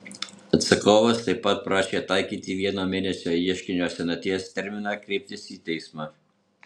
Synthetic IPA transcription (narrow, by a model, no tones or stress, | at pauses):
ɐt̪sɐkoːʋɐst̪ɐɪpːɐt̪̚pɾɑːʃʲeːt̪ɑɪkʲiːt̪ʲɪʋʲiɛnoːmʲeːnʲɛsʲoːiɛʃʲkʲɪnʲoːsʲɛnɐt̪ʲiɛst̪ʲɛɾʲmʲɪnɑːkɾʲɛɪp̚ʲt̪ʲɪsiːt̪ʲɛɪsmɑː